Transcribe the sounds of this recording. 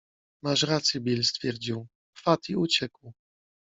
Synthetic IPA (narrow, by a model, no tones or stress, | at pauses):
maʂɾat̪sʲjibʲilst̪fʲjɛɾd͡ʑiw | fat̪iut͡ɕɛkw